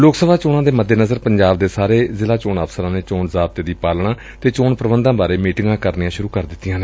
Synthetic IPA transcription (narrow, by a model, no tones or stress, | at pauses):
loːksəbaːt͡ʃoːnãːd̪eːməd̪ːeːnəzəɾpəɲd͡ʒaːb̚d̪eːsaːɾeːzɪlaːt͡ʃoːnəfsəɾãːneːt͡ʃoːɳzaːb̚t̪eːd̪iːpaːlɳaː | t̪eːt͡ʃoːɳpəɾəʋənd̪ãːbaːɾeːmiːʈɪŋɡãːkəɾniãːʃʊɾuːkəɾd̪ɪt̪ːɪjãːneː